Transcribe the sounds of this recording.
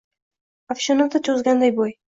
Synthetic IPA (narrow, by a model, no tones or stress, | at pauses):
afʃonot̪at͡ʃʰʊzɡʲand̪ajboj